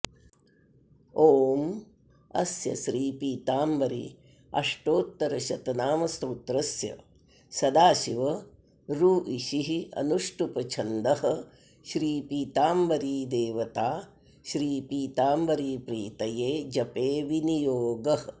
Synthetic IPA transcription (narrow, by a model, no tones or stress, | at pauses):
oːm | ɐ̰sjɐ̰ʃɾiːpiːt̪aːmʋɐɾḭ | ɐ̰ʂʈoːt̪ːɐɾɐʃɐt̪ɐnaːmɐst̪uːt̪ɾɐsjɐ̰ | sɐd̪aːʃiʋɐ | ɾuːʔiʃiɦiɐ̰nuʂʈupɐt͡ʃʰɐnd̪ɐɦɐ̆ | ʃɾiːpiːt̪aːmʋɐɾiːd̪eːʋɐt̪aː | ʃɾiːpiːt̪aːmbɐɾiːpɾiːt̪ɐjeːd͡ʒɐpeːʋinijoːɡɐɦɐ